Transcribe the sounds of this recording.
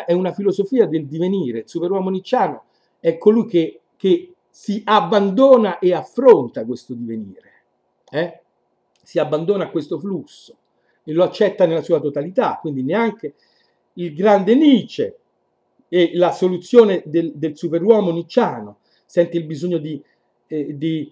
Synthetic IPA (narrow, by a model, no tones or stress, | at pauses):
ʔɛunafilozofiːad̪eld̪iveniːɾeilsupeɾwɔːmonit͡ʃːaːno | ɛkʰːolujk̟e | k̟e | siʔabːand̪oːnaʔeafːɾont̪akwest̪od̪iveniːɾe | ɛ | siabːand̪oːnakːwest̪oflusːo̥ | eloat͡ʃːɛt̪ːanelasuːat̪ot̪alit̪akːwind̪ineaŋk̟e | ilɡɾand̪eniːt͡ʃe | elasolut̪sːjoːned̪eld̪elsupeɾwɔːmonit͡ʃːaːno | sɛnt̪eilbizoɲːod̪i | d̪i